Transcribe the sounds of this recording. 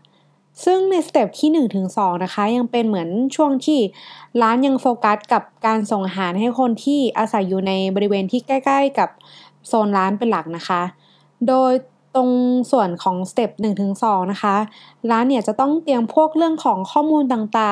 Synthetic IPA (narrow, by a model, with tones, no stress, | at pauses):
sɯ˥˩ŋna˧jsa˧t̪e˨˩p̚t̪ʰiː˥˩nɯ˨˩ŋt̪ʰɯ˩˦ŋsɔː˨˩˦ŋna˦˥xʰa˦˥ja˧ŋpe˧nmɯ˩˦ənt͡ɕʰu˥˩əŋt̪ʰiː˥˩ɾaː˦˥nja˧ŋfoː˧ka˦˥t̪̚ka˨˩p̚kaː˧nso˨˩ŋʔaː˧ɦaː˩˦nha˥˩jkʰo˧nt̪ʰiː˥˩ʔaː˧sa˩˦jːuː˨˩na˧jbɔː˧ɾi˧˥weː˧nt̪ʰiː˥˩ka˥˩jkla˥˩jka˨˩p̚ | soː˧nɾaː˦˥npe˧nla˨˩k̚na˦˥xʰa˦˥ | doː˧j | t̪o˧ŋsu˨˩ənkʰɔː˩˦ŋsa˧t̪e˨˩p̚nɯ˨˩ŋt̪ʰɯ˩˦ŋsɔː˩˦ŋna˦˥xʰa˦˥ɾaː˦˥nːiː˥˩ɐt͡ɕa˨˩t̪ɔ˥˩ŋt̪i˧əmpʰu˥˩ək̚ɾɯ˥˩əŋkʰɔː˩˦ŋkʰɔː˥˩muː˧nt̪aː˨˩ŋt̪aː˨˩